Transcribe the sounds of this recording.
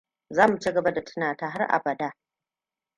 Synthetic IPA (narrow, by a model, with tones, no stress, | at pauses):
zaː˦mu˨t͡ʃi˦ɡɐ˨ba˦da˨tʰʊ̥˦naː˨taː˦ɦa˦rʔa̰˨bɐ˨daː˦